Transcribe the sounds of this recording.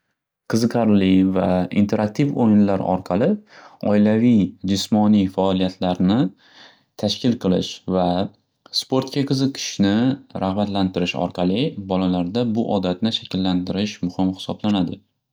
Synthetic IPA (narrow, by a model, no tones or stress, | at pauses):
qʰɨzɨqʰɑɾlɪvaḭnt̪ʰe̞ɾak̚t̪ʰifojɪnlaɾɒ̰ɾqʰɑlˠɪɒ̰ɪlavijd͡ʒɪsmɒnijfaɒlˠijat̪ʰlaɾnɪ | t̪ʰaʃkʲɪlˠqʰɨlˠɪ̰ʃva | spo̞ɾt̪̚kʲaqʰɨzɨqʰɪ̥ʃnɪɾʔahbat̪lant̪ɪɾɪʃɒ̰ɾqʰɑlˠɪbɒlalaɾd̪abʊʔɒd̪at̪nɪʃakʲʰɪlːant̪ɪɾɪʃmʊhɪmhɪ̥sɒblanad̪ɪ